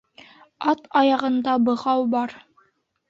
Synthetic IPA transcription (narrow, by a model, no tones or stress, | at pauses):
ɑt̪ɑjɑʁɤ̆nd̪ɑbɤ̆ʁɑwbɑɾ